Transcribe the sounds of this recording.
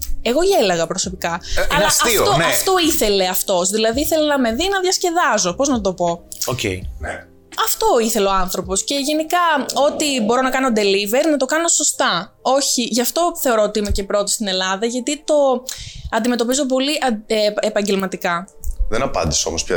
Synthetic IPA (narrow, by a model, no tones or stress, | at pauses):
e̞ɣo̞ielɐɣɐpɾo̞so̞pikɐɐlɐsɐit̪onɐft̪o̞iθe̞le̞ɐft̪o̞zðilɐðiiθe̞lenɐme̞ðinɐðʝɐsce̞ðɐzo̞po̞znɐt̪̬o̞po̞ocḛn | ɐft̪o̞iθe̞leo̞ɐnθɾo̞po̞sce̞ʝe̞nikɐo̞t̪ibo̞ɾo̞nɐkɐno̞d̪e̞live̞ɾnɐt̪okɐno̞so̞st̪ɐo̞çiʝɐft̪o̞θe̞o̞ɾoot̪iime̞ce̞pɾo̞t̪ost̪ine̞lɐðɐʝɐt̪it̪o̞ɐnd̪ime̞t̪o̞pizo̞p̬o̞liʔɐepɐɲɟe̞lmɐt̪ikɐ | ðenɐpɐ̰nd̪isomospçɐ̰